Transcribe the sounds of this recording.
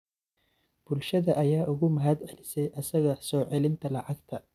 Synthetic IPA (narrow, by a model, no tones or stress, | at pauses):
b̥ʊlʃɐðɐʔɐjaːʔʊɣʊmɐɦɐd̪ɛlɪsɛjʔɐsɐɣɐsɔːʕɛlɪnt̪ʰɐlɑʕɑɡt̪ʰɐ